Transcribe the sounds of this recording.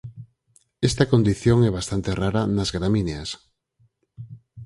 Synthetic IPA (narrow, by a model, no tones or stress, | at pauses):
est̪akond̪iθjoŋɛβ̞ast̪ant̪eraɾanazɣɾamineas